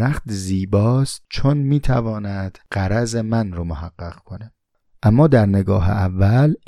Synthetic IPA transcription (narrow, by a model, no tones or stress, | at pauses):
ɾæxt̪ziːbɒːst̪̚t͡ʃʰonmiːt̪ʰævɒːnæd̪̥ɢ̥æɾæzemænɾomohæɢːæʁ̥kʰone | ʔæmːɒːd̪æɾneɡɒːɦḛʔævːæl